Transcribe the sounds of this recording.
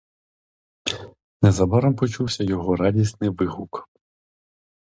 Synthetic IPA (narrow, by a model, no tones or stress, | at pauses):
nɛzɐbɑɾɔmpɔt͡ʃuwsʲɐjɔɦɔɾɑdʲisnɪʋɪɦuk